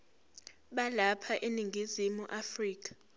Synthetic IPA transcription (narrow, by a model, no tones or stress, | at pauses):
ɓalapʰaʔeniŋɡʱizimuʔafriːk̬ʰʼḁ